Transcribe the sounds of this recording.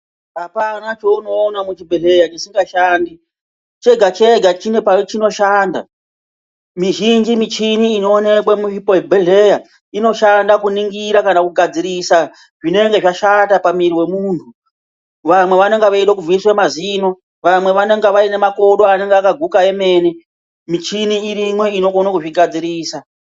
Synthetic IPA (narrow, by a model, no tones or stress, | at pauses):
ɦapanat͡ʃo̞uno̞ːnamut͡ʃibʱeɮe̞jat͡ʃisiŋɡaʃaːndi | t͡ʃe̞ɡʱat͡ʃe̞ɡʱat͡ʃine̞pat͡ʃino̞ʃaːnda̰ | miʒind͡ʒimit͡ʃiniːno̞ːne̞kwamuipojebʱeɮe̞ja | ino̞ʃandakuniŋɡiɾakanakuɡʱad͡ziɾisa | ʐine̞ŋɡe̞ʐaʃatapamiɾiwe̞muːntʰu | ʋamwe̞ʋane̞ŋɡeʋaiɗokuvwiswemaziːno̞ | ʋamwe̞ʋane̞ŋɡeʋaine̞mako̞ɗo̞ane̞ŋɡeakaɡʱukaeme̞ne | mit͡ʃiniːɾimwe̞ino̞konakuʐiɡʱad͡ziɾiːsa